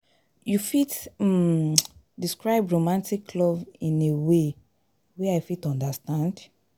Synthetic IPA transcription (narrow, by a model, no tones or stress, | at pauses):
jufitm | diskɹaɪbɹomãntikʰːlɔvĩnewe | wɛaɪfitɔ̃ndastãnd